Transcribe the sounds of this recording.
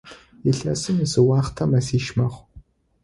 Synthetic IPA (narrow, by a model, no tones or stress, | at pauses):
iɬɐsɨmisɨwaːχtʰɐmɐsiːʃmɐχʷ